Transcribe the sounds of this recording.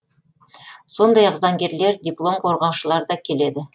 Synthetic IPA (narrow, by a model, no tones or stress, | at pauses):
so̞nd̪ɑjɑqzɑŋɡʲe̞ɾle̞ɾdʲiplˠo̞mqʰo̞ɾʁɑwʃəlˠɑɾd̪ɑkʲʰe̞le̞d̪ɪ